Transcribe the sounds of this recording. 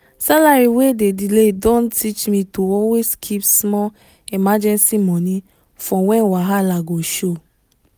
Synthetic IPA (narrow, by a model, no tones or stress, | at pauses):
salaɾiwedediledɔ̃ntit͡ʃmĩtoɔweskʰipsmɔ | imad͡ʒɛ̃nsimɔ̃nĩ | fɔ̃wɛwaɦalaɡoʃo